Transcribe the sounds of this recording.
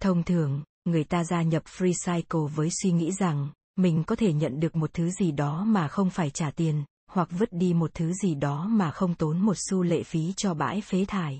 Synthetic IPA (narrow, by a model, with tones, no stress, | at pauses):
t̪ʰə˧wŋ͡mt̪ʰɨ˨˩əŋː | ɨ˨˩əjt̪aː˧zaː˧ɲə˨˩p̚fɾi˧saː˧jko˨˩vəː˨˦jswi˧ŋḭ˧˥za˨˩ŋ | mï˨˩ŋ̟kɔ˨˦t̪ʰe˧˩ɲə̰˧˨nɗɨ˨˩ək̚mo˨˩t̚t̪ʰɨ˨˦zi˨˩ɗɔ˨˦maː˨˩xə˧wŋ͡mfaː˧˩jt͡ɕaː˧˩t̪i˧ən | hwa˨˩k̚və˦˥t̚ɗi˧mo˨˩t̚t̪ʰɨ˨˦zi˨˩ɗɔ˨˦maː˨˩xə˧wŋ͡mt̪o˨˦nmo˨˩t̚su˧lḛ˧˨fi˨˦t͡ɕɔ˧ɓa̰ː˧˥jfe˨˦t̪ʰaː˨˩j